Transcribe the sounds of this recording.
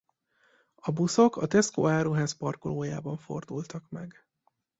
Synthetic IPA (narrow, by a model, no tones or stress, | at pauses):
ɒbuso̞kɒt̪ɛsko̰ːaːɾuɦaːspɒrkoloːja̰ːbɒɱfo̞̰rd̪ult̪ɒkmɛɡ